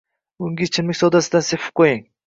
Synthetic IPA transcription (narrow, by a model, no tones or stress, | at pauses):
ʊŋɡʲit͡ʃʰɪmɪkʲsɔd̪asɪd̪ansefʰɪ̥p̚qʰojɪŋ